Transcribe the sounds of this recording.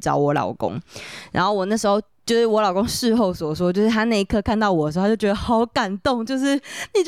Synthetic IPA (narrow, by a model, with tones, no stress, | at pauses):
ʈ͡ʂɑ˨˦ʊwɔ˨˧˦lɑ̰˨˩ʊko̰˥ŋɻa˧˥nxo˥˩ʊwɔ˨˩na˥˩ʂɻ̩˧˥xo˥˧ʊt͡ɕjo˥˧ʊʂɻ̩˥˩wɔ˧˥lɑ˨˩ʊkõ˥ŋʂɻ̩˥˧xo˥˩ʊswɔ˨˩ʂwɔ˥t͡ɕjo˥˧ʊʂɻ̩˥˩t̪ʰa˥na˥˩i˧kʰɤ˥˧kʰa˥˧nt̪ɑ˥˩ʊwɔ˨˩d̪ə˧˩˧t͡ɕjʊt͡ɕʲɛ˧d̪ə˧xɑ˨˥ʊka˨˩nt̪ʊ˥˨ŋt͡ɕjo˥˧ʊʂ̬ɻ̩˥˩ni˨˩t͡ɕ